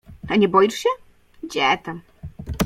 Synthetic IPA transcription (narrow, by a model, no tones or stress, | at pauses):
t̪aɲʲɛbɔjiʂɕɛ | d͡ʑɛt̪am